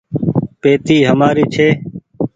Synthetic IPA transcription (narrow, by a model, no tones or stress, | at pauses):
peːt̪iːɦəmaːɾiːt͡ʃʰeː